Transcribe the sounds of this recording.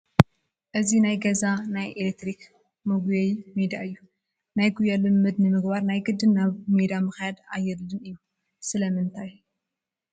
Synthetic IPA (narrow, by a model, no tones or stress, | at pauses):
ʔɨzinajɡɐzanajʔelek̚t̪ɾik | mɐɡjɐjmed̪aɨjːu | najɡujalɨmːɨd̪nɨmɨɡbaɾnajɡɨd̪ːɨnːaβmed̪amɨxjad̪ajːɛɾlɨnɨjːu | sɨlɐmɨnt̪ʰaj